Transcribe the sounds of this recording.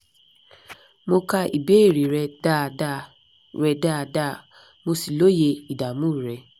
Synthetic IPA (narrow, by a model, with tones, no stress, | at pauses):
mo˧ka˦ʔi˨be˦e˦˨ɾi˨ɾɛ˧da˦˨da˦˨ | ɾɛ˧da˦˨da˦˨ | mo˧si˨lo˦je˧i˨da˨mũ˦˨ɾɛ˨